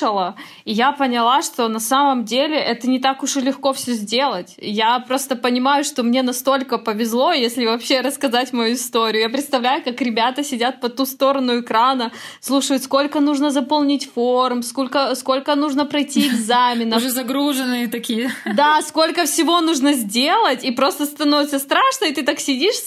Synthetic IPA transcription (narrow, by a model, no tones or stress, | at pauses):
əlˠə | ɪjapənʲɪlˠaʂt̪o̞nɐsaməmdʲelʲɪʔɛt̪ənʲɪt̪akʊʂlʲɪxko̞fsʲɵzʲdʲe̞lˠətʲjapɾo̞st̪əpənʲɪmajʊʂt̪o̞mnʲe̞nɐst̪o̞lʲkəpəvʲɪzlˠo̞jesʲlʲɪvɐpɕːe̞ɾəskɐzatʲmɐjuɪst̪oɾʲɪjʊjap̬ɾʲɪt̪st̪ɐvlʲæjʊkakɾʲɪbʲat̪əsʲɪdʲat̪̚pɐt̪ust̪o̞ɾənʊɪkɾanəslˠuʂəjʊt̪sko̞lʲkənuʐnəzɐpolˠnʲitʲformsko̞lʲkəsko̞lʲkənuʐnəpɾɐjtʲiɪɡzamʲɪnəzɐɡɾuʐɨnːɨjət̪ɐkʲijəd̪asko̞lʲkəfsʲɪvo̞nuʐnəzʲdʲelˠətʲipɾo̞st̪əst̪ɐnovɪt̪səst̪ɾaʂnəɪt̪ɨt̪aksʲɪdʲiʂ